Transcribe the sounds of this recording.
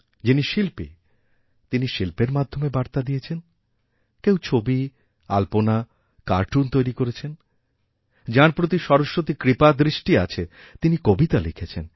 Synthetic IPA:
d͡ʑiniʃilpi | t̪iniʃilpeɾmad̪ʱːomebaɾt̪ad̪ijet͡ɕʰen | kew̃t͡ɕʰobi | a̰lpona | kaɾʈunt̪ojɾikoɾet͡ɕʰen | d͡ʑaɾpɾot̪̬iʃɔɾoʃːot̪ikɾipad̪ɾiʃʈia̰t͡ɕʰe | t̪inikobit̪alikʰet͡ɕʰen

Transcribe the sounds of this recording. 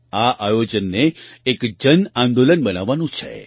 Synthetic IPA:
aʔajod͡ʒənːeːkd͡ʒənãnd̪olənbənaʋːanũt͡ʃʰḛ

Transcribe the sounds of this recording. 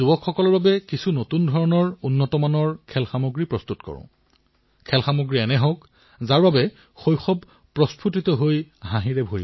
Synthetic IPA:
ubɔkʰxɔkɔlɔɹbabɛkisʰunotundʱɔɹɔnɔɹunːɔtɔmanɔɹkʰɛlxamoɡɹipɹɔstutkɔ̰ɹʊ̰̃ | kʰɛlxamoɡɹiɛnɛɦɔ̃k | zaɹbabɛ | xojxɔb | pɹɔspʰutitɔɦojɦãɦĩɹɛbʱoɹi

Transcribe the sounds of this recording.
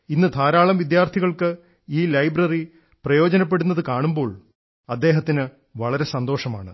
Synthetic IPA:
inːɨt̪ʰaːɾaːɭɐmʋid̪jaːrt̪ʰiɣɐɭkɨ | iːlɐjbrɐri | prɐjo̞ːd͡ʑɐnɐpːe̞ɽunːɐðɨkaːɳumbo̞ːɭ | ɐd̪ːe̞ːɦɐt̪ːinɨ | ʋɐɭɐɾe̞sɐnd̪o̞ːʂɐma̰ːɳɨ

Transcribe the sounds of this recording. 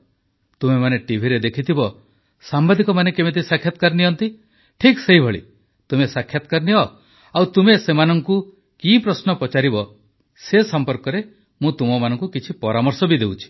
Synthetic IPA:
t̪umemaneʈibʱiɾed̪ekʰit̪ʰibɔ | sambad̪ikɔmanekebit̪̬ʰisakʰːjat̪ɔ̥kaɾniɔnt̪i | ʈʰikseɦibʱɔɭḭ | t̪umesakʰːjat̪ɔ̥kaɾniɔ | awt̪umesemanɔŋku | kipɾɔsnɔpɔt͡ʃaɾibɔ | sesɔmpɔɾkɔɾe | mũt̪umɔmanɔŋkukit͡ʃʰipɔɾamɔɾsɔbid̪ewt͡ʃʰi̥

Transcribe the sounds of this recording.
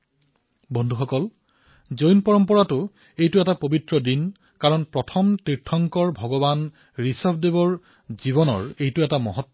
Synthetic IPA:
bɔndʱuxɔkɔl | zojnpɔɹɔmpɔɹatʊ | ejtʊɛtapobitɹɔdin | kaɹɔnpɹɔtʰɔmtɹitʰːɔŋkɔɹbʱɔɡɔban | ɹisɔbʱdebɔɹ | zibɔnɔ̰ɹejtʊɛtamɔ̰ɦɔtː

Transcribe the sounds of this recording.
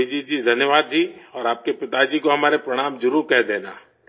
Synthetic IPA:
id͡ʒid͡ʒid̪ʱɐnjəʋaːd̪̚d͡ʒiːɔːɾaːp̚kepɪt̪ad͡ʒikoɦɐmaːɾepɾɐɽ̃aːmd͡ʒʊɾuːɾkɛɦd̪eːna̰ː

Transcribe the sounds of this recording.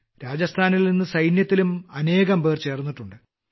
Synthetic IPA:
ɾaːd͡ʑɐst̪ʰaːnilninːɨsɐjnjɐt̪ːilumɐne̞ːɣɐmbeːrt͡ɕe̞ːrnːiʈːuɳɖɨ

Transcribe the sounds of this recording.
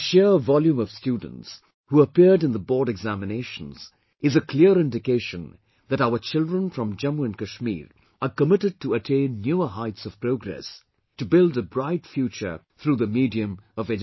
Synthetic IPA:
ʃɪvɑlˠjũmʌv̥stjud̃ⁿn̩ts | huəpɪɹɾɨ̃nðəbɔɹɾɨɡzæmɨneɪʃə̃n̩z̥ | ɨzəkʰl̥ɪəɹɪ̃ndɨkeɪʃə̃n | ðɨɾaʊə˞t͡ʃɪlˠdɹə̃nfɹʌ̃md͡ʒʌ̃muɨ̃nkɨʃmḭɾ | əkəmɪɾɨd̚tʰəətʰẽɪ̃nːjuə˞ɦaɪtsʌv̥pʰɹ̥oʊɡɹɛ̰s | tɨbɪlˠdəbɹaɪtfjut͡ʃə̰˞ | θɹuːðəmidiɨ̃mʌvɛd͡ʒ

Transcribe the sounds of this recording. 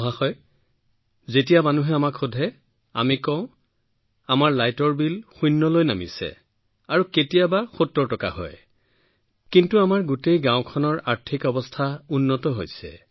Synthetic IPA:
ɔɦaxɔj | zet̬ijamanuɦɛamakʰxudʱɛ | a̰mikɔ̃ʊ̃ | amaɹlajtɔɹbilxujnːɔlojnamḭsɛ̰ | aɹuketijabaxutːɔɹtɔka̰ɦɔ̰j | kintuamaɹɡutejɡãʊ̃kʰɔnɔɹaɹtʰikɔbɔstʰaunːɔtɔɦojsɛ̰

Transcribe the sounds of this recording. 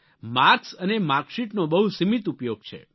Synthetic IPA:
maɾksənemaɾkʃiʈnobəɦusimit̪upjoɡ̚t͡ʃʰḛ

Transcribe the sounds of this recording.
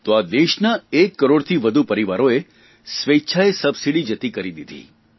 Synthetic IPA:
t̪oad̪eʃnaekːəɾoɽt̪ʰiʋəd̪ʱupəɾiʋaɾoe | sʋet͡ʃʰaesəbsiɽid͡ʒət̪ikəɾid̪id̪ʱḭ

